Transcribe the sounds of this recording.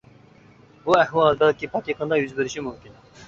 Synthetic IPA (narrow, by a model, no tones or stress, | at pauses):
buɛhwɑlˠbɛlkʲipʰɑk̪ʲiqənd̪ɑjyzbɪɾɪʃimumkʲin